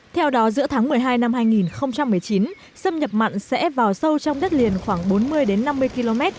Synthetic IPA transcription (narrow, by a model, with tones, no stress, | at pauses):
t̪ʰɛ˧wɗɔ˨˦zɨ̰˧˥ət̪ʰaː˨˦ŋmɨ˨˩əjɦaː˧jna˧mhaː˧jŋi˨˩nxə˧wŋ͡mt͡ɕa˧mːɨ˨˩əjt͡ɕi˨˦n | sə˧mɲə˨˩p̚ma̰˧˨jŋ̟sɛ̰˧˥vaː˨˩wsə˧wt͡ɕɔ˧wŋ͡mɗə˦˥t̚li˨˩ənxwaː˧˩ŋɓo˨˦nmɨ˧əjɗe˨˦nːa˧mːɨ˧əjki˧lo˧mɛ˦˥t̚